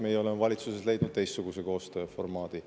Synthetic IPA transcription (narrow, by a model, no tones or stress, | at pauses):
mejeo̞le̞mevɑlʲit̪susesle̞jd̪̥nud̪̚t̪e̞jst̪ːuɡ̥use̞ko̞ːst̪øːfo̞rmɑːd̪̥i